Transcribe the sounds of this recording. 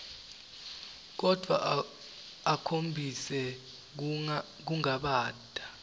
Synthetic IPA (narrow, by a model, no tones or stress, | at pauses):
k̬ɔd̥ʱwa̰ | akʰombʱisɛ | k̬uŋaɓaːd̥ʱa